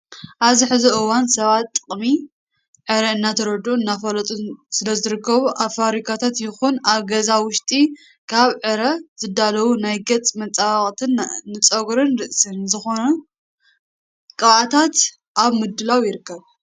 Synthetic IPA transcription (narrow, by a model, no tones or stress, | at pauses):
ʔaβziħɨzuɨwansɐβat̪ːʼɨχʼmi | ʕɨɾɐɨnːat̪ʰɐɾɐd̪uɨnːafɐlɐt̪ʼusɨlɐzɨɾɨkːɐβuʔaβfaβɾikʰat̪ʰat̪jɪxunaβɡɐzawʊʃt̪ʼi | kʰaβʕɨɾɐz̥ɨd̪alɐwunajɡɐt͡sʼmɐt͡sʼawχʼt̪ʰɨnːɨt͡sʼɐɡɾɨnɾɨʔsɨnzɨxo̞nɐ | kʼɐβat̪ʰat̪ | ʔaβmɨd̪ɨlawjɪɾɨkʰːɐβ